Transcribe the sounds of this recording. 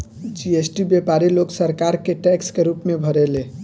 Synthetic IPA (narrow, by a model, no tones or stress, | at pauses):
d͡ʒiesʈibjepaɾiloːɡsəɾkaɾkeʈɛkskeɾuːpmẽbʱəɾele